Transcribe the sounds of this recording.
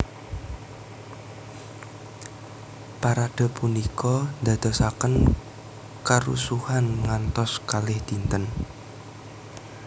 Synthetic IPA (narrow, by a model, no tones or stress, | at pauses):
paɾad̪̥ɔ̤punikɔnd̪a̤d̪̥ɔ̤sakən | kəɾṵsuhanŋant̪ɔskalɪhd̪̥i̤nt̪ən